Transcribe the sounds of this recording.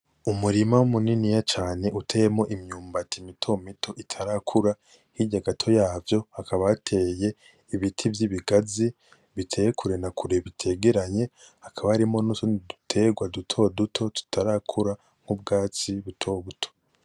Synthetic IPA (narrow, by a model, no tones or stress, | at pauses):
umuɾimawumuninijat͡ʃaːne̞ʔutʰeːjemŋo̞ʔimɲuːmbatʰimitʰo̞mitʰo̞ʔitʰaɾakʰuɾa | hiɟaɡatʰo̞jaːvjo̞hakʰaβatʰe̞ːje̞ | iβitʰivjiβiɡazi | βitʰe̞jekʰuɾe̞nakuɾe̞βitʰe̞ːɡeɾaɲe̞ | hakʰaβahaɾimo̞nusonidutʰe̞ɡwadutʰo̞dutʰo̞tu̥tʰaɾakʰuɾa | ŋ̥hub̚ɡaːt͡siβutʰo̞βutʰo̥